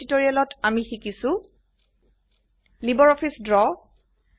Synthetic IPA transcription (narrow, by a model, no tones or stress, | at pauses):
itoɹialɔtamixikisʊ̃ | libɔɹɔpʰisdɹɔ